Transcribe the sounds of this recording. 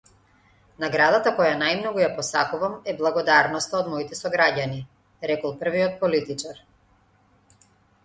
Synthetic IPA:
naɡɾad̪at̪akɔjanajmnɔɡujapɔsakuvamɛblˠaɡɔd̪aɾnɔst̪aɔd̪mɔit̪ɛsɔɡɾaɟani | ɾɛkɔlˠpr̩viɔt̪̚pɔlit̪it͡ʃaɾ

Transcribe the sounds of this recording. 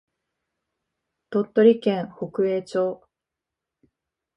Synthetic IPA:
t̪o̞t̪ːo̞ɾʲikẽɰ̃ho̞kɯ̟eːt͡ɕo̞ː

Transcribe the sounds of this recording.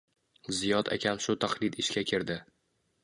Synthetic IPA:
zijɒd̪a̰kʲʰamʃʊt̪ʰaχlˠɪd̪ɪʃkʲakʲʰɪɾd̪ɪ

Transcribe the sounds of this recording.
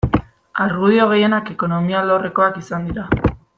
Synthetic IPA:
aɾɣuð̞io̞ɣ̞e̞je̞nake̞ko̞no̞mialore̞ko̞akisand̪iɾa

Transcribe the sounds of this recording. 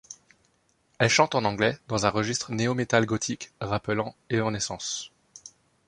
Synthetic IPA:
ɛlʃɑ̃t̪ɑ̃nɑ̃ɡlɛd̪ɑ̃zɛ̃ʁəʒist̪χəneɔmet̪alɡɔt̪ʰikʁapəlɑ̃eɑ̃nesɑ̃s

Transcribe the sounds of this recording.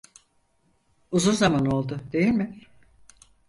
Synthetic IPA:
uzunzamano̞lˠd̪ʊd̪e̞jilʲmɪ

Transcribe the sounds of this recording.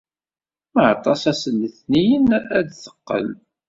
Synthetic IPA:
məʕt̪ˤːɑsæsənːəθnijənæd̪θə̥qːə̰l

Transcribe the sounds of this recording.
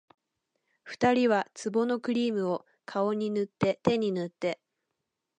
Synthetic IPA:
ɸɯ̟̥t̪aɾʲiβat͡sɨbo̞no̞kɯ̟ɾʲiːmɯ̟o̞ | kʰao̞ɲ̟inɯt̪ːe̞t̪e̞ɲ̟inɯ̟t̪ːe̞

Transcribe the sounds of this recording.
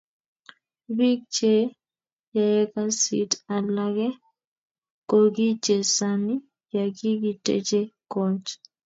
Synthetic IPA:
bik̚t͡ʃɛ | jajɛkasḭtalaɡɛ | koɡit͡ʃɛsani | jaɡiɡitɛ̰t͡ʃɛkɔt͡ʃ

